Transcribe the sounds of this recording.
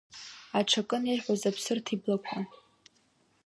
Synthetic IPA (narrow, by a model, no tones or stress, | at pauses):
aʈ͡ʂʰakʼɨnejħʷazapʰsɨrtʰiblakʷʰħa